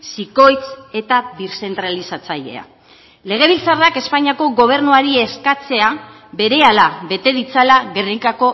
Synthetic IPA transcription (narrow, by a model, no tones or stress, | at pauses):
siko̞jt͡se̞t̪aβiɾse̞nt̪ɾalisat͡saje̞̰a̰ | le̞ɣ̞e̞β̞ilt͡sarake̞spaɲiako̞ɣo̞β̞e̞ɾnuaɾie̞skat͡se̞a | be̞ɾe̞alaβe̞t̪e̞ð̞it͡salaɣerikako̞